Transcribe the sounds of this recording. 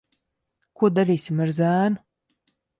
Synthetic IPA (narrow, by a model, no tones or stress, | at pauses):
kuɔd̪aɾiːsʲimaɾzaːn